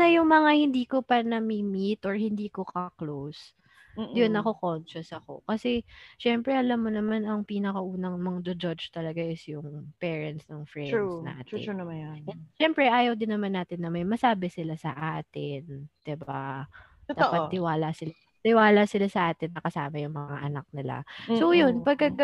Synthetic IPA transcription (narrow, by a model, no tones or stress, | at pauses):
nɐjʊŋmɐŋahɪnd̪iːkopɐnɐmimit̪ʔoɹhɪnd̪iːkokɐklows | jonɐko̞kont͡ʃʊsɐko̞̰kɐsɛʃɛmpɾɛʔɐlamːonɐmanɐŋpiːnɐkɐʔuːnɐŋmɐŋd͡ʒod͡ʒod͡ʒt̪ɐlɐɡaʔɪsjʊŋpɛːɹɐnt̪snɐŋfɾɛna̰ːt̪ɪ̰ | ʃɛmpɾɛʔaːjɐwd̪ɪnːɐmanːaːt̪ɪnːɐmɐjmɐsaːbɛsɪlasɐ̰ʔaːt̪ɪnd̪̥ɪba | d̪t̪aːpɐd̪ɪwaːlasɪla | t̪ɪwaːlasɪlasɐʔaːt̪ɪnːɐkɐsaːmɐjʊŋmɐŋaʔɐnak̚nɪla̰sowjonpɐɡ̚kɐɡ